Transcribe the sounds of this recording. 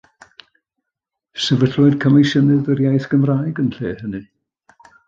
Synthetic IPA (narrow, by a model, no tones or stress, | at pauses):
səvəɬʊɨd̥̚kʰəmɪjsənɨðərjajθɡ̥əmraːjɡənɬeːhənɨ